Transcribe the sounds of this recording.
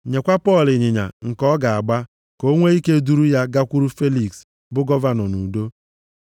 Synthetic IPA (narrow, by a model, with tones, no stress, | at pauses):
ɲe˨kʷa˦pɔ˦˨lɪ˨ɲɪ˨ɲa̰˨ŋ̩˨kɔ˦ɡa˨a˨ɡ͡ba˦ | ko˦ŋʷe˦i˦ke˦du˦ɾu˦ja˦ɡa˦kʷu˦ɾu˦fe˦li˨ks | bʊ˦ɡɔ˦va˨nɔ˨nu˨do˦